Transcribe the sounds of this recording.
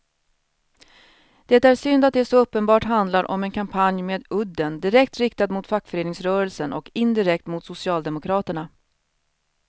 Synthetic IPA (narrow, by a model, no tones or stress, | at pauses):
d̪̥ɛt̪ːaæːʂʏnd̪at̪d̪ɛæʂoɵpːənbɑːʈɦand̪laɾʔɔ̰mɛnkʰampʰanjmeːd̪ɵd̪ːənd̪ɪɾɛkt̪ɾɪkt̪ad̪mʊt̪fakːfœɾeːnɪŋsɾœːɾəlsənʔɔkɪnd̪ɪɾɛk̚t̪mʊt̪sʊsɪɑːld̪ɛmʊkʰɾɑːt̪əɳa